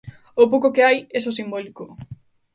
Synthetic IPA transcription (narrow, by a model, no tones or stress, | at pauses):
opowkokeajesosimbɔliko